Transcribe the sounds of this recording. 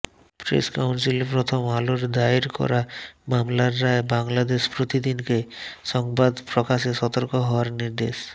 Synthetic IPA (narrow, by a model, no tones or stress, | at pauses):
pɾḛskawnsilepɾot̪ʰomaloɾd̪aiɾkɔ̰ɾamamlaɾːaebaŋlad̪eʃpɾot̪id̪inkeʃɔŋbad̪pɾokaʃeʃɔt̪oɾkoɦɔoaɾniɾd̪eʃ